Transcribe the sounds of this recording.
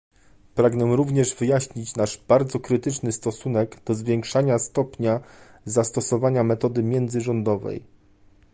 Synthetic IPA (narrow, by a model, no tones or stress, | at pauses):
pɾaɡnɛɾuvɲɛʐvɘjaɕɲit͡ɕnaʐb̥aɾd̪zɔkɾɘt̪ɘt͡ʂnɘst̪ɔsunɛɡd̪̥ɔzvʲjɛŋkʂaɲast̪ɔpʲɲa | zast̪ɔsɔvaɲamɛt̪ɔd̪ɘmʲjɛnd̪zɘʐɔnd̪ɔvɛ̰j